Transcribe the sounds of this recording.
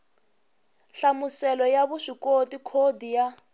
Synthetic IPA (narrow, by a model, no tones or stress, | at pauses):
ɬamusɛlɔjaβuʂikotikʰodija